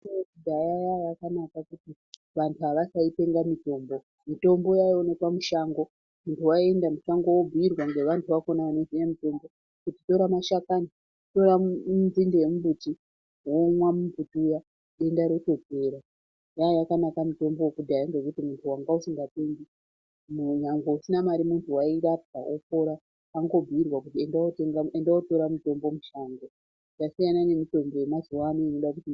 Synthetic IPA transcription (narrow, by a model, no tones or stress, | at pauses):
kudʱajajajakanakakuti | ʋantʰuaʋasaipe̞ŋɡamito̞ːmbo̞ | mito̞mbo̞jaionepamuʃaŋɡo̞ | muntʰuwae̞ndamuʃaŋɡo̞wobuirwaŋɡe̞ʋantʰuʋako̞naanozijamito̞mbo̞ | kutito̞ɾamaʃakani | to̞ɾanzindejemubuti | womwamuputuja | ɗe̞ndaɾo̞to̞peːɾa | jajakanakamuto̞mbokudʱajaŋɡekutimuntʰuwaŋɡausiŋɡate̞ŋɡi | muɲaŋɡousinamaɾimuntʰuwaiɾapd͡za̰ʔopo̞ɾa | aŋɡo̞bʱiirwakutiendaoteŋɡaendaoto̞ɾamito̞mbo̞muʃaŋɡo | jasijanane̞mito̞mbo̞je̞mazuwaniino̞ɗakuti